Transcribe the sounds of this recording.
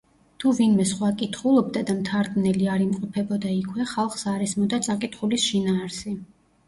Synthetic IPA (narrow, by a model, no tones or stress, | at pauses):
t̪ʰuvinmɛsχwakʼit̪ʰχulˠɔbd̪ad̪amt̪ʰaɾd̪nɛliaɾimqʼɔpʰɛbɔd̪aikʰwɛχalˠχsaɾɛsmɔd̪at̪sʼakʼit̪ʰχulisʃinaːɾsi